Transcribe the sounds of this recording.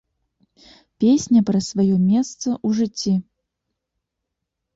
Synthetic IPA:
pʲesʲnʲɐpɾɐsvajɔmʲɛst̪sɐʔuʐɨt͡sʲːi

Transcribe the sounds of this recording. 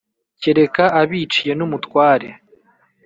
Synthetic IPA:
ciɾe̞kaaβiːt͡ʃije̞numutwaːɾe

